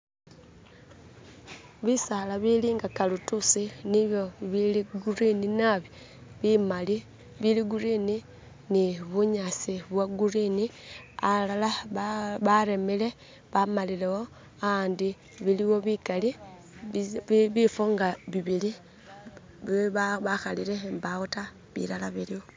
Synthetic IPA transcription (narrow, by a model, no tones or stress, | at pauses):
βisalaβiliːŋɡakalutusiniβjoiβiliɡuɾininaβi | βimali | βiliɡuɾini | niβuɲasiβwaɡuɾinialalaββaɾemile̞ | βamalileho | andi | βiliwo̞βikali | βifoŋɡaβiβili | βiβaβaxaliɾembauta | βḭlalaβiliwo